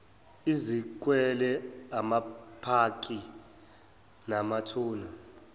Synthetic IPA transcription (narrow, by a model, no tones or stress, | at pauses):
izik̬wɛlɛamapʰak̬ʼi | namatʰuːna